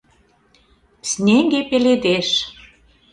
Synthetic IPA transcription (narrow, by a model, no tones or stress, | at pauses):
snʲeŋɡepeled̪eʃ